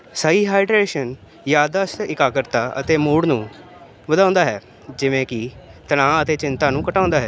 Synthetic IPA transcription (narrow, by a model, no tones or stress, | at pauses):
saːiːɦaːɪɖɾeːʃən | jaːd̪əsɪkaːkəɾt̪aːʔə̰t̪eːmuːɽnũː | ʋəd̪ãːʊ̃nd̪aːɦɛː | d͡ʒɪʋẽːkɪt̪əɽãːət̪eːt͡ʃɪnt̪aːnũːkəʈãːʊ̃nd̪aːɦɛː